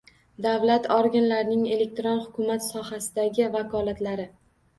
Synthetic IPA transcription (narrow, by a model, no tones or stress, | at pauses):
d̪avlat̪ʰɒɾɡʲanlaɾnɪŋe̞le̞k̚ʲt̪ɾonhʊkʰʲʊmat̪sɒhasɪd̪aɡʲɪvakʰɒlat̪laɾɪ